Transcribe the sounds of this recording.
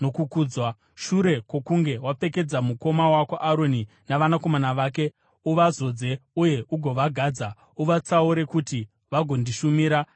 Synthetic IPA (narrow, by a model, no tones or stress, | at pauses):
no̞kukuːd͡zwa | ʃuɾe̞kwo̞kuŋɡe̞wape̞ke̞d͡zamuko̞mawakoʔaɾoni | naʋanako̞manaʋaːk̬e̞ | uʋazo̞d͡ze̞uje̞ʔuɡʱo̞ʋaɡʱaːd͡za | uʋat͡sauɾe̞kuti | ʋaɡʱo̞ndiʃumiːɾa